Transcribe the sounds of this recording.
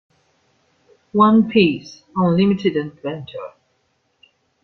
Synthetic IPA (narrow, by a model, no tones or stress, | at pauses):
wʌ̃npʰis | ə̃nlɪ̃mɨtɨdɨ̃ndvɛ̃nt͡ʃʰə˞